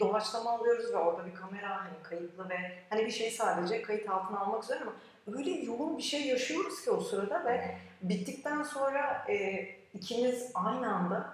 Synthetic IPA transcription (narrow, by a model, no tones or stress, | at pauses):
d̪o̞vˠat͡ʃlˠamaːlˠɯjo̞ɾuzvɛo̞ɾd̪abikʰame̞ɾahanikʰajɯt̪ʰlˠɯvɛhanibiʃe̞jsaːd̪e̞d͡ʒɛkʰajɯt̪halˠt̪ʰɯnalˠmakyzeɾiɾama | øjlʲɛjuɡunˠbiʃe̞jːaʃɯjo̞ɾuz̥cʰio̞suɾad̪avɛ | bit̪ʰːic̚t̪ʰænso̞nɾaɛ | icʰimizajnɯand̪a